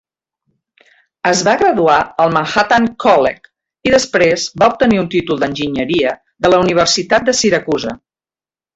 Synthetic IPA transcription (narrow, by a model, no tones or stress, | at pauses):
əzβaɣɾəðuaəlˠməŋxat̪aŋkɔlɛ̰k | iðəspɾezbaup̚t̪əniunt̪it̪ulˠd̪ənʲʒiɲəɾiə | ðələuniβ̞ərsit̪at̪̚d̪əsiɾəkuzə